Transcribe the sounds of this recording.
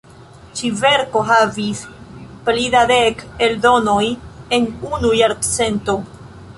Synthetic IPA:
t͡ʃive̞ɾko̞ɦavisplidadekeldo̞no̞je̞nunujaɾɡt͡se̞nto̞

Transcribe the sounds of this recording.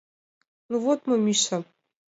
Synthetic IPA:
nuvot̪mɨmʲiʃɐ

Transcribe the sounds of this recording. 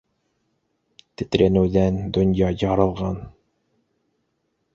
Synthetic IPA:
t̪ɘ̆t̪ɾænɘ̆wðænd̪ŏnjɑjɑɾɤ̆lˠʁɑn

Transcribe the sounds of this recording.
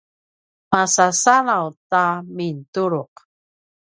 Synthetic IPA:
masasalawtamintuɾuq

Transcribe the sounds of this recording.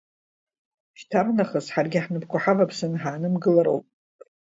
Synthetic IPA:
ʃtʰarnaχasħarɡʲɪħnɨpkʷʰaħavapʰsɨnħaːnɨmɡɨlaɾo̰wpʼ

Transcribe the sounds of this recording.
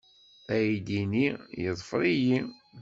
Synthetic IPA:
æjid̪inijəðˤfɾˤiji

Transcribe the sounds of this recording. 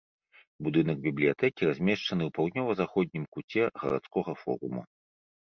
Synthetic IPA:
bud̪ɨnɐɡ̚bʲiblʲijat̪ɛkʲiɾazʲmʲɛʂt͡ʂɐnɨwpawd̪nʲɔvɐzaxɔd̪̚ʲnʲimkut͡sʲɛɣɐ̰ɾa̰t̪skɔɣɐfɔ̰ɾṵmṵ

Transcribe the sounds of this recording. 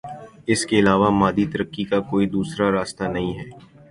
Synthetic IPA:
ɪskeɪlaːʋamaːd̪it̪ɐɾəkːikakoːid̪uːsɾaɾaːst̪anɐɦĩɦɛː

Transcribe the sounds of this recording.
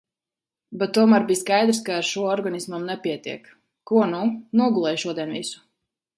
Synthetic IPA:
bɛt̪ːuɔmaːɾbiːskajd̪ɾskaːɾʃuɔɔɾɡanismamnɛpiɛt̪ḭɛk | kuɔnunuɔɡulˠɛjʃuɔd̪iɛnvisu̥

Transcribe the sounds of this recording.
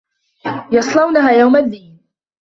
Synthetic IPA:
jɑsˤlɑwnaɦaːjawmad̪ːiːn

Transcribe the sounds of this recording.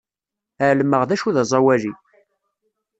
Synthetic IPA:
əʕlmːəʁðæʃuðɑzˤɑwæli

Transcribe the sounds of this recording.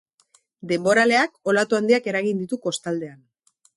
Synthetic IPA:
d̪e̞mbo̞ɾale̞ako̞lat̪uand̪iake̞ɾaɣind̪it̪uko̞st̪ald̪e̞an

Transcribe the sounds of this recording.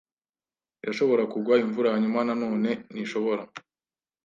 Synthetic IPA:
jaʃo̞βo̞ɾakuɡwaiɱvuɾahaɲumanano̞ːne̞niʃo̞βo̞ɾa

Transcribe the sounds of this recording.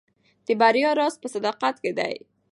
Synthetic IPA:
d̪̥əbaɾjɑɾɑspəsad̪ɑqat̪ked̪a̰j

